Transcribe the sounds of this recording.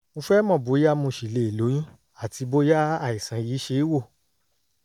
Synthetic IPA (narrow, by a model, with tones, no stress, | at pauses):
mo˧fɛ˦mɔ̃˦˨bo˨˦ja˦mũ˧˨ʃi˨le˨i˨lo˨˦jĩ˦ | a˦˨ti˧bo˦ja˦a˦˨i˨sã˨˦jiː˨˦ʃe˧˦i˦wo˦˨